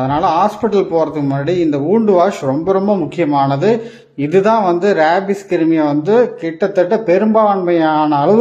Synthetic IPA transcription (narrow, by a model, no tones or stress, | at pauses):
ɐðɐnaːlɐɦaːspɪʈːɐlpoːɾɐðɯkːɯmaːɽiɪnd̪ɐuːɳɖɯʋaːʂɾɔmbɐɾɔmbɐmʊkːɪjɐmaːnɐðɯ | ɪðɯt̪ãːʋɐnd̪ɯɾaːbɪskɪɾɯmɪjɐʋɐnd̪ɯkɪʈːɐt̪ːɛʈːɐpɛɾɯmbaːɳmɐjaːnɐːlɐʋɯ